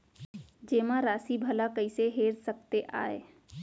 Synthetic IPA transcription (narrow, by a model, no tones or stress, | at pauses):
d͡ʒeːmãɾasibʱəlakəɪseɦeɾsəkt̪eʔa̰ːe